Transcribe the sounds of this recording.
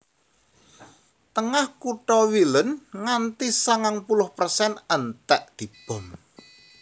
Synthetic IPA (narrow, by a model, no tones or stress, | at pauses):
t̪əŋahkuʈɔwilənŋant̪isaŋaŋpulʊhpərsɛnənt̪ɛʔd̪̥i̤b̥ɔ̤m